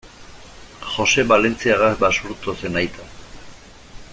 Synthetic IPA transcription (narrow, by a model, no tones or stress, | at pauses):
xo̞se̞βale̞nt͡siaɣazbasuɾt̪ose̞najt̪ʰa